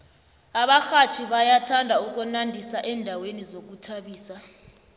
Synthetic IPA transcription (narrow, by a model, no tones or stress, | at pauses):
aɓaxat͡ʃʰiɓajatʰandʱauk̬ɔnandʱisaʔɛːndʱawenizok̬utʰaɓiːsa